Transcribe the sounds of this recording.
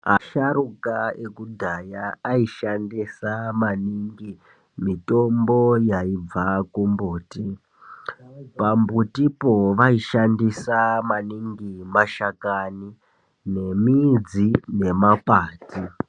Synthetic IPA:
aʃaɾukaekudʱajaːiʃandisamaniŋɡi | mitombo̞jaib͡vakumbuːti | pambutipoʋaiʃandisamaniŋɡimaʃakani | ne̞mid͡zine̞mapaːti

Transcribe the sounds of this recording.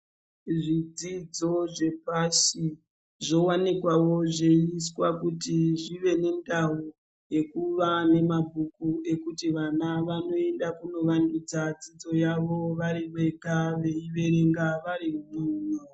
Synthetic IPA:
ʐid͡zid͡zo̞ʐe̞pasi | ʐo̞wanikwawo̞ʐeiswakutiʐiʋe̞ne̞ndaɦu | je̞kuʋane̞mabʱukue̞kutiʋanaʋano̞e̞ndakuno̞ʋandud͡zad͡zid͡zo̞jaʋo̞ʋaɾiʋe̞kaʋe̞iʋe̞ɾe̞ŋɡaʋaɾiumuːno

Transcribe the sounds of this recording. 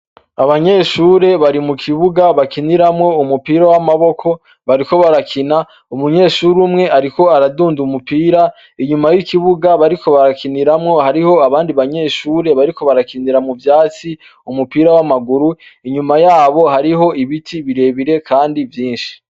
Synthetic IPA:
aβaɲe̞ːʃuːɾe̞βaɾimukʰiβuɡaβakiniɾamŋo̞umupiːɾawamaβo̞kʰo̞ | βaɾiko̞βaɾakʰina | umuɲe̞ːʃuːɾumŋe̞aɾiko̞aɾaduːndumupiːɾa | iɲumajikiβuɡaβaɾikʰo̞βaɾakʰiniɾamŋo̞haɾiho̞aβaːndiβaɲe̞ːʃuːɾe̞βaɾiko̞βaɾakiniɾamŋuvjaːt͡si | umupiːɾawamaɡuɾuiɲumajaːβo̞ɦaɾiɦo̞iβitʰiβiɾe̞βiɾe̞kʰaːndivjiːnʃi̥

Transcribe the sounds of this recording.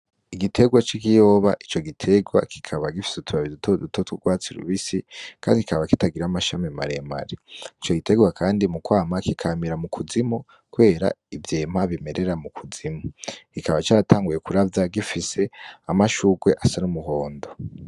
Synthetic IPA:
iɡitʰe̞ɡwat͡ʃikijo̞ːβaʔit͡ʃo̞ɡitʰe̞ɡwa̰kʰi̥kʰaβaɡifi̥sutʰuβaβidutʰodutotwuɡwaːt͡siɾṵβisikʰaːndiki̥kaβakitaɡiɾamaʃamimaɾe̞ma̰ɾeit͡ʃo̞ɡite̞ɡwakʰaːndimukwaːmakikʰamiɾamukʰuzimo | kuβe̞ːɾa̰ivjeːmaβime̞ɾʔe̞ɾamukʰuzimokikaβat͡ʃaːɾatʰaːŋɡuje̞kuɾavjaɡifise̞amaʃuɡwe̞ʔasanumuɦo̞ːndo

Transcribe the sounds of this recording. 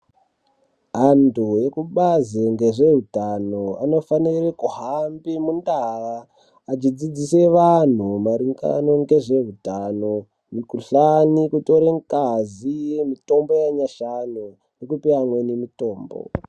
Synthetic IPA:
ɦantʰuje̞kuɓazeŋɡe̞ʐe̞ɦutanoano̞fanirekuɦambimundaʋaː | t͡ʃid͡zid͡ziseʋan̤umaɾiŋɡa̰no̞ŋɡe̞ʐe̞ɦutano | mikuɬanikuto̞ɾeŋkazijemito̞mbo̞jaɲaʃanu | nekupiamwenemito̞ːmbo̰

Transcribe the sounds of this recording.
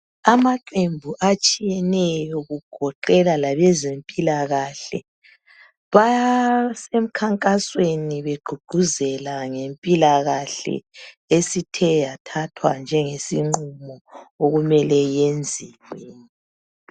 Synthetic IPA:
amaǃembʱuʔat͡ʃʼijɛnɛjɔɣuɡ̥ʱɔǃɛlalaβɛzempʼilaɣaɬɛ̰ | βa | sem̩kʰaŋkʼasweniβeɡ͡ǃʱuɡ͡ǃ̥ʱuzɛlaŋempʼilaɣaɬɛ̰ | esitʰɛjatʰatʰwa̰nd͡ʒʱɛŋesiŋ͡ǃumɔoɣumɛlɛjend͡zʱiweːni

